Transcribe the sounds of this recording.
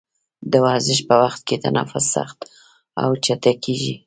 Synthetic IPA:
d̪əwɑzɪʃpəwaxt̪̚ket̪anɑ̰fʊzsa̰xt̪ | a̰wt͡ʃat̪akeʒi

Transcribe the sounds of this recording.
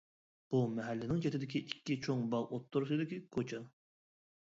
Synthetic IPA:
b̥umɛɦɛlːɪnɪŋt͡ʃʰet̪ɪd̪ɪkʲiʔikʲːit͡ʃʰoŋbɑlˠot̪ʰːuɾusɨd̪ɪkʲikʰot͡ʃʰɑ

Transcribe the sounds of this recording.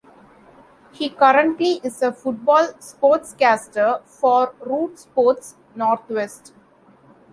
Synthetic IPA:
hiːkʌɾə̃ɳʈliʔɪzəfʊʈ̚bɔːlspoːɾʈskæːsʈəɾfɔːɾɾuːʈspoːɾʈs | nɔːɾt̪ʰʋesʈ

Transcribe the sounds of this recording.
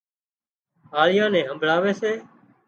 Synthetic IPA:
aːɭɪjãːnɛ̃ːɦəmbʱɭaːʋeːseː

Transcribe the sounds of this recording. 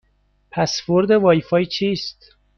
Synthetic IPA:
pʰæsfoɾd̪evɒːjfɒːjt͡ʃʰiːst̪

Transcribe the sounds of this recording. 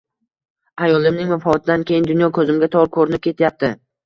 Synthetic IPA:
ajɒlˠɪmnɪŋmafaɒt̪ʰɪd̪ankʲʰe̞jɪnd̪ʊnjɒkʰɵzɪmɡʲat̪ʰɒɾkʰɵɾɪnɪp̚kʲʰe̞t̪ʰjap̚t̪ʰɪ

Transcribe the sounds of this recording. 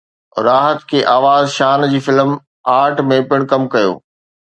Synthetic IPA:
ɾaːɦət̪kʰeːʔaːʋaːzʃaːnd͡ʑiːfɪlm | aːɾʈʰmẽpɪɽ̃kɐmkɐjo̰ː

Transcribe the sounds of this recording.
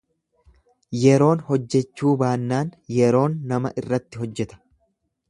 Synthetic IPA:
jɛɾo̞ːnhɔd͡ʒːɛt͡ʃːuːbaːnːaːnjɛɾo̞ːnːɐmɐʔɪrːɐt̪ːɪɦɔd͡ʒːɛt̪ɐ̥

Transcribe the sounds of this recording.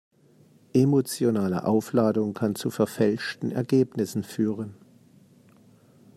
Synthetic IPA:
ʔemot͡sjonaːlə̰ʔaʊflaːdʊŋkʰant͡sufɛɐfɛlʃtn̩ɛ̰ɐɡeːpnɪsn̩fyːʁən

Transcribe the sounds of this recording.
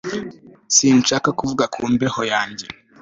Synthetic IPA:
siːnʃaːkakuvuɡakʰuːmbehojaːɲɟe̞

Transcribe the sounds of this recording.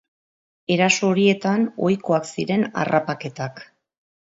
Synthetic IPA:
e̞ɾaso̞ːɾie̞t̪ano̞jko̞aksiɾe̞na̰rapake̞t̪ak

